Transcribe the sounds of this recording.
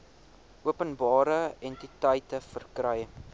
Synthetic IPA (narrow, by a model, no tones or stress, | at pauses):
uəpənbɑːɾəɛntitəjtəfərkrɐj